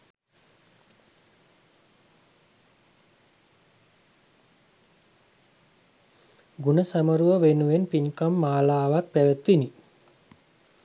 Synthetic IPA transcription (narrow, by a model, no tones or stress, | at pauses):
ɡunəsaməɾuʋəʋenuʋenpiɲkəmːaːlaːʋak̚pæʋət̪ʋini